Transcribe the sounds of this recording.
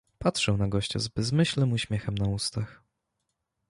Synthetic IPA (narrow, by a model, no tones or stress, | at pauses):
patʂɛwnaɡɔɕt͡ɕɔ̰zbɛzmɘɕlnɘmuɕmʲjɛxɛmnaust̪ax